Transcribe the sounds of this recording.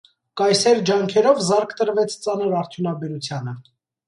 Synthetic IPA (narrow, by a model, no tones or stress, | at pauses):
kɑjsɛɾd͡ʒɑŋkʰɛɾɔvzɑɾkʰt̪əɾvɛt͡sʰt͡sɑnəɾɑɾt̪ʰjunɑbɛɾut͡sʰjɑnə